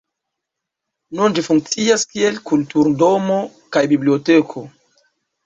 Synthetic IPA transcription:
nund͡ʒifuŋk̚t͡siaskielkultuɾdo̞mo̞ | kajbibliotekʰo̞

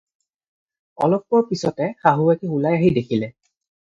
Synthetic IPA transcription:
ɔ̰lɔkːɔpisɔtɛxaɦuɛkiulajaɦidekʰilɛ

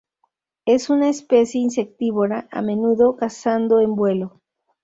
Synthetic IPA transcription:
e̞sunaespe̞sje̞ins̬e̞k̚t̪iβoɾaʔa̰mẽ̞nuðo̞kasand̪o̞embwe̞lo̞

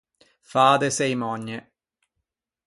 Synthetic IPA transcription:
faːd̪esejmɔɲːe

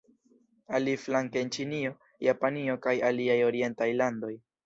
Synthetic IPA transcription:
aliflaŋkeent͡ʃinio̞ | japanio̞kajaliajo̞ɾie̞ntajlando̞j

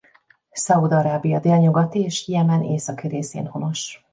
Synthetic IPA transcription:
sɒud̪ɒɾaːbijɒd̪eːlɲuɡɒt̪ieːʃhijɛmaneːsɒkiɾeːsḛːnho̞no̞ʃ

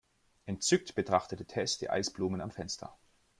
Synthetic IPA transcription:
ʔɛntt͡sʏk̚tb̥ətʁ̥aχtətətʰɛstd̥ḭːʔa̰ɪsb̥luːmənamfɛnstʰɐ̰

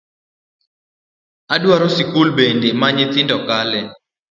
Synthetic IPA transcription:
adwaɾosikulbendemaɲɪt̪ɪndɔkalɛ

